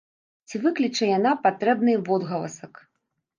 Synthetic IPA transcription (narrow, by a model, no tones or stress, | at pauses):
t͡sʲivɨklʲit͡ʂɐjanapat̪ɾɛbnɨvɔd̪ɣɐlˠɐ̰sɐk